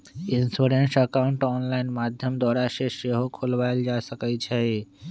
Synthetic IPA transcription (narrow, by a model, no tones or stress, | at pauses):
insuɾensəkaʊɳʈɔːnlaɪnmad̪ʱjəmd̪ɔːɾaseʃeɦokʰolʋaeld͡ʒasəkət͡ʃʰɛ